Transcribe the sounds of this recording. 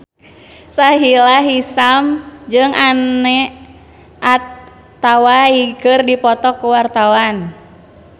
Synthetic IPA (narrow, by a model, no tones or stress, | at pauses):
saɦilaɦisamd͡ʒɨŋʔanɛ | ʔat̪ː | awaikɨrdipɔt̪ɔkuwart̪awan